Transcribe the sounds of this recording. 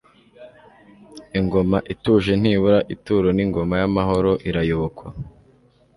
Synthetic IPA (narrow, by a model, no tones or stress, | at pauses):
iŋɡo̞maʔituʒe̞n̥hiːβuɾaʔituːɾoniŋɡo̞majamaɦo̞ɾo̞ʔiɾajo̞βokwa